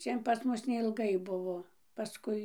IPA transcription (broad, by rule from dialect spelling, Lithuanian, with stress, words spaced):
ˈt͡ʃʲɛn pɐs ˈmʊs nʲɛɪlˠˈɡɐɪ ˈbʊʋoː pɐˈskʊɪ